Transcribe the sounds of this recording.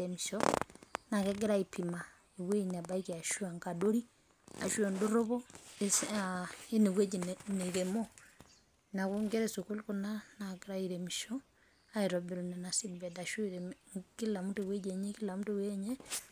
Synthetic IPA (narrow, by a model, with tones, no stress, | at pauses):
ɛmiʃɔna˨kɛ˦ɡ̬e˦ɾa˦ipi˨ma˨ | e˨we˦ɲa˨ba˦i˦ki˨a˨ʃu˦a˨ŋka˨do˦ɾi˦ | a̰˨ʃwɛ˨ndo˦ɾo˦βɔ˦es | e˦ne˨we˦d͡ʒeneɣe˨mɔ | na˨ku˦ŋɡɛ˦ɾɛso˨ku˦lkona˦nakeɾaiɾɛmi˨ʃɔ | a˦i˨ɾɔ˨be˨ɾonɛna˨si˦dbɛ˨daʃu˦ɾɛŋki˦la˨mu˦te˨we˦d͡ʒɛ˨ɲe˦ki˦lamu˦tewe˦ɲɛ˦